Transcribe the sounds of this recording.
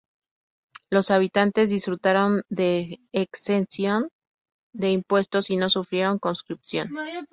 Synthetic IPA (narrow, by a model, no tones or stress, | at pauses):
lo̞saβ̞it̪ant̪e̞zðisfɾut̪aɾo̞nd̪e̞ːksensjo̞n | d̪e̞impwe̞st̪o̞sino̞sufɾje̞ɾo̞ŋko̞nskɾipsjo̞n